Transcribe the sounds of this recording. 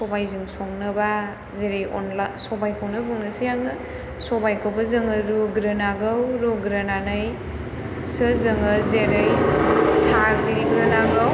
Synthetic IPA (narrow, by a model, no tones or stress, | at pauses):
sɔbajziŋsɔŋnɐba | zeɾejo̰nlasɔbajkʰawnɯbuŋnɐsijaŋɯ | sɔbajkʰawbɐzɯŋɯɾuɡɾɯnaɡɯwɾuɡɾananɯj | sɯzɯŋɐzeɾejsaɾliɡɾɐnaɡaw